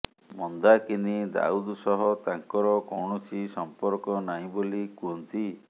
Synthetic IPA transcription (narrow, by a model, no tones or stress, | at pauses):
mɔnd̪akenid̪a̰ud̪sɔɦɔt̪aŋkɔɾɔkɔwɳɔt͡ʃʰisɔmpɔɾkɔnaɦĩbolikuɔnt̪i